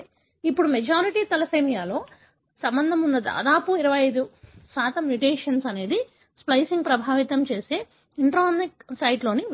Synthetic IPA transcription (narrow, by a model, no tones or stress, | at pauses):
ipːuɽumɛd͡ʒaːɾiʈiːt̪ɐlɐsɐjmijaːlo̞ː | sɐmbɐnd̪ʱɐmunːɐd̪a̰ːd̪aːpuiɾɐʋɐjɐjd̪usaːt̪ɐmjuʈeːʂɐnsɐne̞ːd̪i | splɐjsiŋɡ̚pɾɐbʱaːʋit̪ɐmt͡ʃe̞ːse̞ː | iɳʈɾaːniksɐjʈlo̞ːni